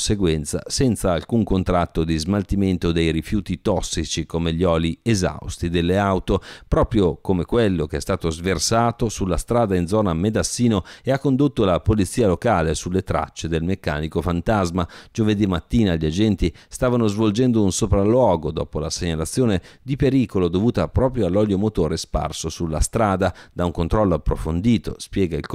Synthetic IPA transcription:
seɡwɛnt̪sa̰sɛnt̪saːlkuŋkont̪ɾat̪ːod̪izmalt̪iment̪od̪ejɾifjuːt̪it̪ɔsːit͡ʃikomeʎːɔːlieza̰wst̪id̪elːeawt̪opɾɔːpɾjokomekwelːokeɛst̪aːt̪ozversaːt̪osulːast̪ɾaːd̪ainzɔːnamed̪asːiːnoeakːond̪ot̪ːolapolit̪sːiːalokaːlesulːet̪ɾa̰t͡ʃːed̪elmekːa̰ːnikofant̪azmad͡ʒoved̪imːat̪ːiːnaʎiad͡ʒɛnt̪ist̪aːvanozvold͡ʒɛnd̪ounsopɾalːwɔːɡod̪ɔ̰ːpolaseɲalat̪sːjoːned̪ipeɾiːkolod̪ovuːt̪apɾɔːpɾjoalːɔljomot̪oːɾespa̰rsosulːa̰st̪ɾaːd̪ad̪auŋkont̪ɾɔlːoapːɾofond̪iːt̪o̰spjɛːɡailk

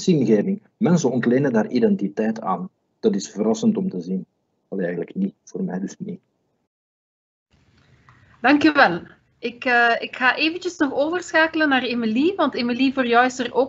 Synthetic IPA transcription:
sinɣeːvɪŋ | mɛnsənɔntleːnəndaːridɛntitɛjta̰ːn | d̥ɑtɪsfəɾɑsəntɔmtəzin | ɑlɛjɣələkniv̥oːrmɛjdɵsni | d̥ɑŋkyʋɛlˠ | ɪkəɪkxaːʔeːvəncəsnɔxoːvərsxaːkələnaːremiliʋɑntemilivoːrjœwɪsəroː

